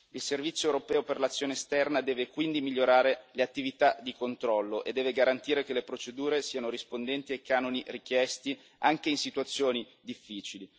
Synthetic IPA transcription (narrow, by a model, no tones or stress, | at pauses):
ilservit̪sːjoewɾopɛːoperlat̪sːjoːnest̪ɛrnad̪ɛːvekwind̪imiʎːoɾaːɾeleat̪ːivit̪ad̪ikont̪ɾɔlːoʔed̪ːɛːveɡaɾant̪iːɾekelepɾot͡ʃed̪uːɾesiːanoɾispond̪ɛnt̪iekːaːnonirikjɛst̪i | aŋkeinsit̪uat̪sːjoːni | d̪ifːiːt͡ʃili